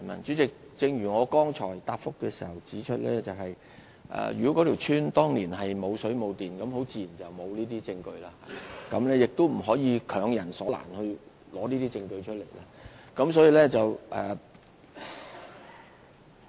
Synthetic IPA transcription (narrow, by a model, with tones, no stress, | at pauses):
mɐ̰˨nt͡ʃyː˨˥t͡sɪ˨k̚t͡sɪ˧ŋjyː˨˩ŋɔː˨˧kɔː˥ŋt͡ʃʰɔː˨˩jt̪aː˧p̚fʊ˥kːɛː˧si̥˨˩hɐ˨˩wt͡siː˨˥t͡ʃʰɵ˥t̚lɛ̰ː˥t͡sɐ˨wɦɐ˨j | ʔɛ̰˨jɥyː˨˩kɔ˨˥kɔ˨˥t̪ʰi˨˩wt͡ʃʰyː˥nt̪ɔː˥ŋli˨˩nɦɐ˨jmo˨˧wsɵ˨˥ɥmo˨˧wt̪iː˨nkɐ˨˥mho˨˥wt͡siː˨˧ji˨˩nt͡sɐ˨wmo˨˧wliː˥t̪iː˥t͡sɪ˧ŋkɵ˧ɥlaː˥haː˨kɐ˨˧˥mlɛː˥jɪ˨k̚t̪o˥wm̩˨˩ɦɔː˨˥jiː˨˧kʰœː˨˧ŋjɐ˨˩nsɔː˨˦la̰ː˨˩nhɵ˧ɥ | lɔː˨˥niː˥t̪iː˥t͡sɪ˧ŋkɵ˧ɥt͡ʃʰɵ˥t̚le˨˩jlaː˥kɐ˨˥msɔː˨˥jiː˨˧lɛː˥t͡sɐ˨wʔɛː˨